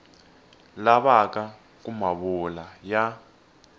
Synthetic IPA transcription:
laβaka | k̬ʼumaβulaja

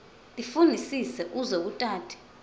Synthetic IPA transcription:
tʼifundʱisisɛʔuzok̬utʼaːtʰɛ̥

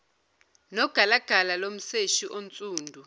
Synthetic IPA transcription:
nɔɡ̥ʱalaɡ̥ʱalalom̩seʃiʔont͡sʼuːndʱu

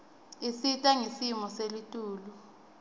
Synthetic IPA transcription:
isitʼɛŋisimɔselitʼuːlu

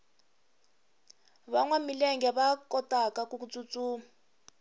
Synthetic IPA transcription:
βaŋwamilɛŋɡɛβakɔtakakukut͡sʼut͡suːma

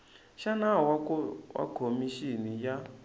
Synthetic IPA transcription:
ʃanawwʔa̰kʰomiʃinija

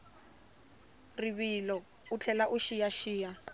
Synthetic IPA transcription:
riβilɔ | ut͡ɬʰɛlaʔuʃijaʃiːja

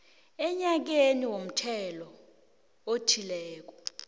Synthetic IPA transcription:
ɛɲak̬eniwom̩tʰɛlɔ | otʰilɛːk̬ɔ̥

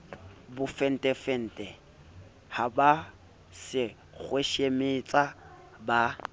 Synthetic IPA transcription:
bʊfɛn̩tʼɛfɛn̩ːtʼɛ | haba | sɪ | k͡xʰweʃemɪt͡sʼa | ba

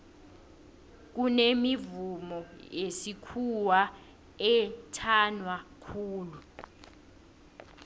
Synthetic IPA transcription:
k̬unemivumɔjesikʰuwa | ɛtʰanwakʰuːlu

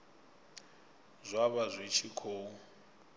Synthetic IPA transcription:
zʷaβazʷit͡ʃʰikʰoːu

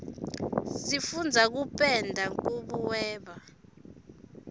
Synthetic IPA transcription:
sifund͡zʱak̬upʼɛndʱaŋʼuɓuwɛːɓa

